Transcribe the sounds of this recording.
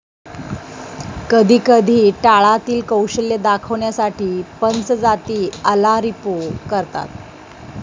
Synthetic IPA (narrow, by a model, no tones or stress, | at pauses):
kəd̪ʱiːkəd̪ʱiːʈaɭat̪iːlkəwɕəljəd̪akʰəʋɳjasaʈʰiːpənt͡sd͡zat̪iːəlaɾipokəɾt̪a̰t̪̚